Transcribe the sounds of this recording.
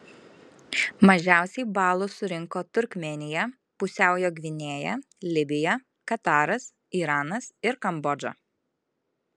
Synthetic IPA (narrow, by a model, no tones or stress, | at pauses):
mɐʒʲæˑʊsʲɛɪbɑːlˠʊsʊɾʲɪŋkoːt̪ʊɾʲkʲmʲɛnʲɪjɛ | pʊsʲæˑʊjoːɡʲʋʲɪnʲeːjɛ̰ | lʲɪbʲɪjɛ | kɐt̪ɑːɾɐs | iːɾɑːnɐsɪɾkɐmbɔd͡ʒo̰